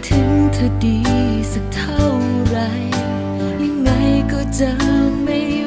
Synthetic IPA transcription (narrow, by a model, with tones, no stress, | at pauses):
t̪ʰɯ˨˧˦ŋt̪ʰə˧t̪i˨˩˦sa˧˩t̪ʰa˥˩w | ɾa˧˥j | ja˧ŋːa˧˥jkɔ˧˩t͡ɕa˧˦ma˧˩